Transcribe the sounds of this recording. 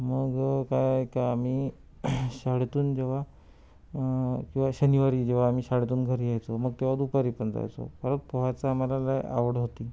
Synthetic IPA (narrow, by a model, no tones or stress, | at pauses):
məɡkajekaam̤iː | ɕaɽet̪uːnd͡ʑeʋ̤a | kĩw̃ʋaɕəniʋaɾiːd͡ʑeʋaːmiːɕaɽet̪uːnɡʱəɾiajt͡soməɡ̚t̪eʋad̪upaɾiːpənd͡za̰jt͡so̰kəɾəɳpoʋat͡saːmalalaa̰ʋəɽɦot̪iː